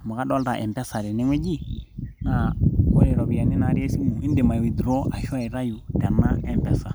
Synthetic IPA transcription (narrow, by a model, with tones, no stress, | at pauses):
mu˨ka˦ɗɔ˦lda˨ʔɛ˨mpɛ˦sa˨ɾɛ˨nɛ˦ŋwɛ˦d͡ʒi˦na˨ko˦lɛ˨ɾɔ˨bi˨ja˨ni˦na˨ɾe˦si˦mu˨i˦nde˨ma˨wi˨dɾo˦a˨ʃa˦˨i˨ɾa˦ju˨dɛ˨nːa˦ɛ˦˨mpɛ˦sa˨